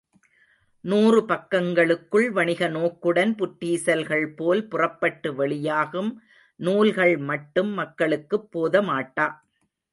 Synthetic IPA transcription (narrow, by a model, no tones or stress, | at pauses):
nuːrɯpɐkːɐŋɡɐɭɯkːɯɭʋɐɳɪɣɐnoːkːɯɽɐnpʊʈːiːsɐlɣɐɭpoːlpʊrɐpːɐʈːɯʋɐɭɪjaːɣɯm | nuːlɣɐɭmɐʈːɯmːɐkːɐɭɯkːɯpːoːðɐmaːʈːaː